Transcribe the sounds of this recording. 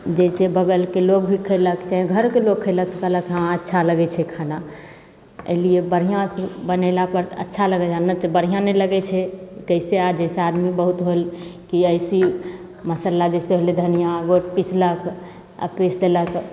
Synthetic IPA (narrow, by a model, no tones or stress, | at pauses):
d͡ʒəɪsebəɡəlkelok̚bʱikʰəɪləkt͡ʃaɦĩɡʱəɾkelokkʰːəɪlək̚t̪əkələkɦãətːʃʰaləɡɛt͡ʃʰɛkʰana | ə̰liebəɾ̤ijãsbənəlapəɾə̰tːʃʰaləɡɛd͡ʒanət̪bəɾ̤ijãnɛləɡɛt͡ʃʰɛkəsead͡ʒəɪsead̪mibəɦut̪ɦolkiəɪsi | məsəlad͡ʒɛseɦolid̪ʱənijãɡoʈpit͡ʃlək | ə̰pesd̪elək